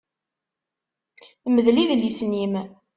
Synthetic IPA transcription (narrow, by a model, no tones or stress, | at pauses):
məðliðlisnim